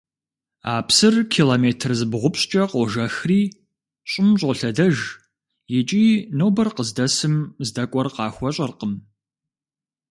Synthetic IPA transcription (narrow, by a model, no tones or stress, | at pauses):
a̰ːpsɨrkʰiːloːmeːtʰrzɨbʁʷʊpɕt͡ʃʼɐqɔʒɐxriː | ɕʼɪmɕʼoɬɐdɐʒ | jɪt͡ʃʼiːnowbɐrqəzdɐsɨmzdɐkʷʼɔrqɑːxʷɔɕʼɐrqəm